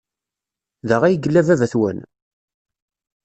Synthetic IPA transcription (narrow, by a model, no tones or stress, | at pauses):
ðəʁæjəɡəlːævævæθwæ̰n